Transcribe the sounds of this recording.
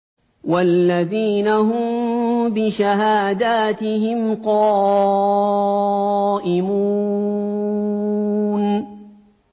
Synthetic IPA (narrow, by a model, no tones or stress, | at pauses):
walːaðiːnaɦʊmbɪʃaɦaːd̪aːt̪ɪhɪmqɑː | ʔɪmuː | n